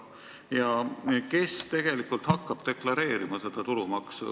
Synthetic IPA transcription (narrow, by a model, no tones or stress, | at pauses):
jɑke̞st̪e̞ɡ̥e̞likːˑult̪hɑkːˑɑb̥̚t̪e̞klɑɾe̞ːɾimɑse̞d̪̥ɑt̪ulumɑksṵ